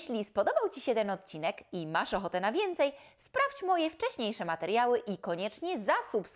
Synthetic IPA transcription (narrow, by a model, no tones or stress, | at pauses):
ɕlʲispɔd̪ɔbawt͡ɕiɕɛt̪ɛnɔt̪̚t͡ɕinɛkimaʂɔxɔt̪ɛnavʲjɛnt̪sɛj | spɾaft͡ɕmɔjɛft͡ʂɛɕɲejʂɛmat̪ɛɾjawɘʔikɔɲɛt͡ʂɲɛzasups